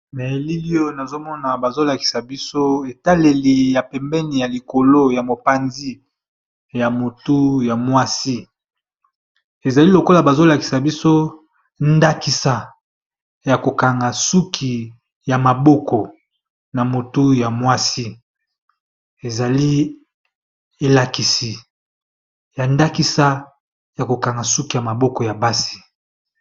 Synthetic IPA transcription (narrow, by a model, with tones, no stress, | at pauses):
mɛ˨li˦li˦o˦na˨zo˦mɔ˦na˨ba˨zo˦la˨ki̥˨sa˨bi˦so˦e˨ta˦le˨li˨ja˨pɛ˨mbɛ˦ni˨ja˨li˨ko˨lo˦ja˨mo˨pa˨nzi˦ | ja˨mo˨tu˦ja˨mwa˦si˦ | e˨za˨li˦lo˨ko˦la˨ba˨zo˦la˨ki̥˨sa˨bi˦so˦ | nda˦ki˨sa˨ | ja˨ko˨ka˨ŋɡa˨su˦kʰi˨ | ja˨ma˨bɔ˦kɔ˨ | na˨mo˨tu˦ja˨mwa˦si˦ | e˨za˨li˦ | e˨la˨ki˨si˨ | ja˨nda˦ki˦sa˦ | ja˨ko˨ka˨ŋɡa˨su˦ki˨ja˨ma˨bɔ˦kɔ˨ja˨ba˦si̥˦